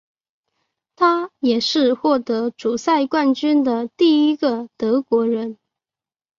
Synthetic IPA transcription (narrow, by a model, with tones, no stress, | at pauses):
t̪ʰa˥jɛ˨˩ʂɻ̩˥˧xwɔ˥˩t̪ɤ˧˥ʈ͡ʂu˨˩sa˥˧ɪkwa˥˩nt͡ɕy˥nd̪ə˨t̪i˥˩i˥ɡə˨t̪ɤ˧˥kwɔ˧˥ɻə˧˥n